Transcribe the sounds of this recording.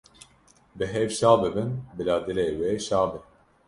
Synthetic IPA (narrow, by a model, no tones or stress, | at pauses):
bɨɦɛvʃɑːbɨbɨnbɨlɑːd̪ɨleːweːʃɑːbɨn